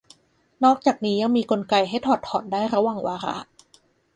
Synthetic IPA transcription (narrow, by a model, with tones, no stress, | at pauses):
nɔː˥˩k̚t͡ɕaː˨˩k̚niː˦˥ja˧ŋmiː˧ko˧nka˧jɦa˥˩jt̪ʰɔː˨˩t̪ʰːɔː˨˩ndaː˥˩jɾa˧˦wa˨˩ŋwaː˧ɾa̰˦˥ʔ